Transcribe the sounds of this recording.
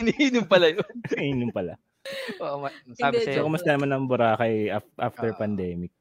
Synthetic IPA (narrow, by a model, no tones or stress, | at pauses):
niinʊmpɐlɐjonhɪnʊmpɐla̰ | ʔoʔoɐsabsokʊmʊst̪ɐnɐmanɐŋbʊɾaːkɐjʔafʔa̰ft̪ɛɹpɐnd̪ɛːmɪk̚